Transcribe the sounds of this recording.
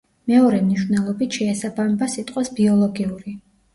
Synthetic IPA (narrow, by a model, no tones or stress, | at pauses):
mɛɔɾɛmniʃvnɛlˠɔbit̪ʰʃɛːsabamɛbasit̪ʼqʼwasbiɔlˠɔɡiuɾi